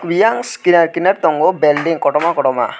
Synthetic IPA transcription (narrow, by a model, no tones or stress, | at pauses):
kʋijaŋskinaɾkinaɾt̪ɔŋɡobelɖiŋkɔʈɔmakɔʈɔma̰